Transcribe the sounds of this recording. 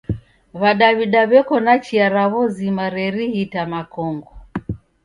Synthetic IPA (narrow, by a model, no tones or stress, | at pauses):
βaɗaβiɗaβɛkɔnat͡ʃiaɾaβɔzimaɾɛɾihitamakɔŋɡɔ